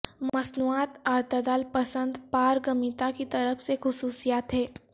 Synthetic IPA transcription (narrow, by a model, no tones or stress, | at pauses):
mmɐsnuːaːt̪ɔːɾt̪ɐd̪aːlpɐsə̃nd̪paːɾɡɐmit̪akit̪ɐɾəfsexʊsuːsijaːt̪ɦɛː